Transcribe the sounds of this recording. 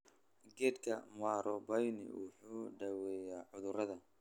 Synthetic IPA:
ɡɛːd̪kʰɐmaːɾʔɔbɐjnɪ̰wʊħuːɖɐwɛːjaːʕʊðʊɾɐðɐ

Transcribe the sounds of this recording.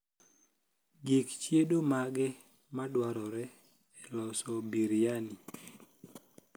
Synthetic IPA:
ɡikt͡ʃjedomaɡɛ | madwaɾɔɾɛ | ɛlɔsɔbiɾjani

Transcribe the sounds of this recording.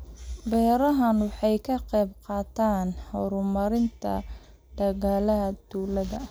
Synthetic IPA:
bɛːɾɐɦɐnwɑħɑjkʰɐqɛjbqɑːt̪ʰaːnhɔɾʊmɐɾɪnt̪ʰɐ̰ | d̪̥ɐɣaːlɐɦɐd̪̥uːlɐðɐ

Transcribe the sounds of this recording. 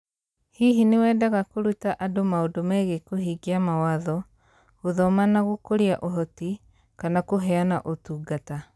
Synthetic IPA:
hiɦinewɛːdaɣakoɾutaʔadomaodomɛɣekoɦiɡiamawaðɔ | ɣoðɔmanaɣokoɾeaʔoɦɔti | kanakoɦɛanaʔotuɡata

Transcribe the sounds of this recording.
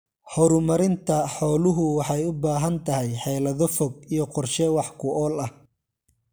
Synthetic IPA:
hɔɾʊmɐɾɪnt̪ʰɐħɔːlʊɦʊwɑħɑjʊbaːɦɐnt̪ʰɐɦɛjħɛjlɐðɔfɔɡ̚ijɔqɔrʃɛwɑħkʰʊʔɔːlɐh

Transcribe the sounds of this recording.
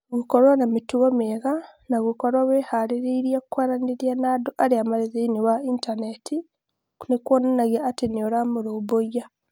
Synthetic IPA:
ɡukolwanamituɣomeɣanaɣukolwaβehaliɾiɾjakukwaɾaniɾjanaːdoʔaliamalizeiniwaintaneti | kunekwonanaɣaːtinoɾamuɾoboja

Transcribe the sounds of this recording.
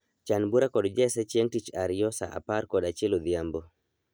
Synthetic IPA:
t͡ʃanbuɾakɔdd͡ʒɛsɛt͡ʃɛŋtit͡ʃaɾɪjɔsa̰ʔa̰parkɔdat͡ʃelod̪jambo

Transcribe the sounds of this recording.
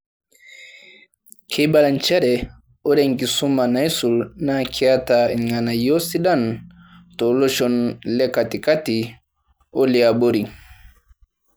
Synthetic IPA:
kʰɛbalant͡ʃɛɾɛ | ʔɔɗɛŋkisumːanajsulnakʰiataɛ̰nŋanajosiɗan | tɔlɔʃɔnlɛkːatikati | oliaboɾi

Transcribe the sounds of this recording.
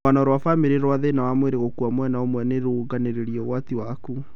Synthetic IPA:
anaɾwafameɾeɾwaðenawamweɾeɣokuamwɛnaomwɛneɾuɡaneɾeɾiɔɣwatiwaku

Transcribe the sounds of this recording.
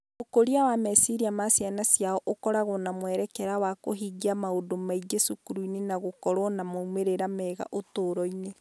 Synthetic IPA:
okoɾiawamɛsiɾiamasjanasjaɔʔokɔɾaɣonamwɛɾɛkɛɾawakoɦiɡiamaodomaid͡ʒesukuɾuinenaɣokɔɾwɔnamoumeɾeɾamɛɣa̰ʔotoːɾɔine

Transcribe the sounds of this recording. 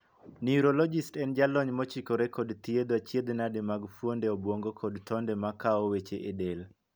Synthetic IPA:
niuɾolɔd͡ʒɪstɛnd͡ʒalɔɲmɔt͡ʃikɔɾɛkɔdt̪ied̪wat͡ʃjed̪nadɪmaɡfwondɛɔbwoŋɡokɔdtɔndɛmakaɔwet͡ʃeʔedel

